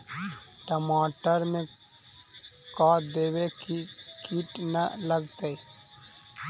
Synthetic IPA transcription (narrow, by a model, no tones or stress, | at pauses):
ʈəmaːʈəɾmẽ | kaːd̪eːwekikiʈnələɡt̪ei